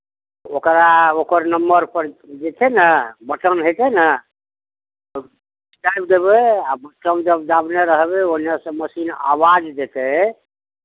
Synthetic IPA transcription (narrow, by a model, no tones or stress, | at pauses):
okɾaokəɾnəmbəɾpəɾd͡ʒet̪ʰɛnabəʈənɦot̪ɛnə | iskɾajbd̪ebeabəʈəmd͡ʒəbd̪abneɾəɦbeonasə̃məsina̰wad͡ʒd̪et̪ɛ